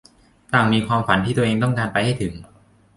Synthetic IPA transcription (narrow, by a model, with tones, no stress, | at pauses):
t̪aː˨˩ŋmiː˧kʰwaː˧mfa˩˦nt̪ʰiː˥˩t̪u˧ʔeː˧ŋt̪ɔ˥˩ŋkaː˧npa˧jha˥˩jt̪ʰɯ˩˦ŋ